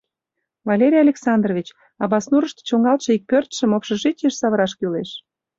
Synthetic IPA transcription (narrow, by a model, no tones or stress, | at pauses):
vɑlʲeɾʲijɑlʲeksɑnd̪rovʲit͡ɕ | ɑβɑsnuɾəʃt̪e̥t͡ɕoŋɑlt̪ʃɤ̆ik̚pørt̪ʃəmopʃɤ̆ʒit͡ɕeʃsɑβəɾɑʃkyleʃ